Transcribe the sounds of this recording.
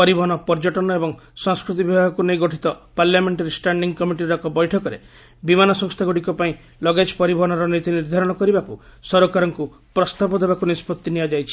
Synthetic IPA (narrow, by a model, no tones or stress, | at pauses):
pɔɾibɔɦɔñɔpɔɾd͡ʒɔʈɔnɔebɔŋ | sɔŋskɾut̪̬ibibʱaɦɔkunejɡɔʈʰit̪ɔpaɾljameɳʈaɾisʈaɳɖiŋɡkɔmiʈiɾɔkɔbɔjʈʰɔkɔɾḛ | bimanɔsɔ̃ŋst̪ʰaɡuɽikɔpaĩ | lɔɡed͡ʒpɔɾibʱɔɦɔñɔɾɔnit̪iniɾd̪ʱaɾɔɽ̃ɔkɔɾibakusɔɾokaɾɔŋku | pɾɔst̪abɔd̪ebakunispɔt̪ːiniad͡ʒajt͡ʃʰi̥